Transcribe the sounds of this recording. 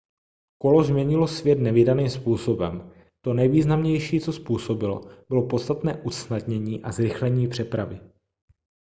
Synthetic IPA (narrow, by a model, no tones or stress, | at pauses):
ko̞lozmɲɛɲɪlosvjɛt̪nɛvɪdaniːmspuːso̞bɛm | t̪o̞nɛjviːznamɲɛjʃiːt͡so̞spuːso̞bɪlo̰bɪlo̞post̪at̪nɛːʔusnadɲɛɲiːʔazɾɪxlɛɲiːpr̝̥ɛpɾavɪ